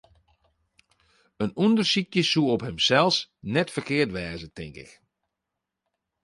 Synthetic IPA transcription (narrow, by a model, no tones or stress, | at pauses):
ənundərsikjəsuəɔphəmsɛlˠsnɛtfərkɪərtʋɛːzətɪŋkɪ̰k